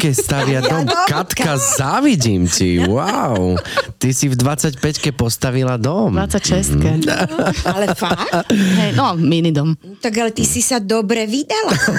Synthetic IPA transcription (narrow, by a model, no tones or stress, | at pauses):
kɛst̪aʋɪad̪ɔmkat̪kkazaːʋiɟimciwaʊt̪isivd̪ʋat͡sacpɛckɛpɔst̪aʋilad̪ɔmat͡sacʃɛst̪kɛ | alɛfakɦɛjnɔminid̪ɔm | t̪aɡalɛt̪isisad̪ɔbɾɛʋid̪ala